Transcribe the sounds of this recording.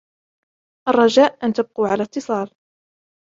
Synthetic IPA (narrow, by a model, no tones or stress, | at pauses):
ʔɑrˤːɑʒaːʔʔant̪ab̚quːʕalat̪ːɨsˤɑːl